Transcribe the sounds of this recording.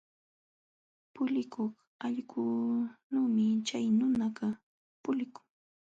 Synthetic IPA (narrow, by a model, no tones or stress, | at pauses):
pʊlɪkoχ | ɑʎɢʊnuːmɪt͡ʃajnʊnaɢɑ | pʊlɪkʊ̥ŋ